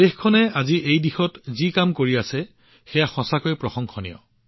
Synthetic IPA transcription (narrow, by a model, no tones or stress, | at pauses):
exkʰɔnɛaziʔejdixɔtzikamkoɹiasɛ | xɛjaxɔ̃sakojpɹɔxɔŋxʰɔnḭjɔ̰